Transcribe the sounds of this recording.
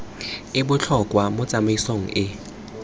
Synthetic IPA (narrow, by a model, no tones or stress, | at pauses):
ɪɓʊt͡ɬʰɔkʼwamʊt͡sʼamesoŋ̩̰ʔɪ